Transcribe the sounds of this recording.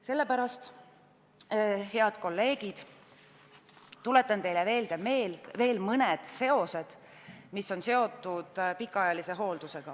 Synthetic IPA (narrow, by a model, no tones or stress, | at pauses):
se̞lːe̞pæɾɑst̪ | he̞ɑd̪̥̚ko̞lːe̞ːɡ̥id̪̥ | t̪ːule̞t̪ːˑɑnt̪e̞jleve̞ːld̪̥eme̞ːlve̞ːlmɤned̪̥se̞o̞se̞d̪̥ | misːo̞nse̞o̞t̪ːˑud̪̥pikːˑɑɑjɑlise̞ɦo̞ːld̪̥use̞ɡ̥ɑ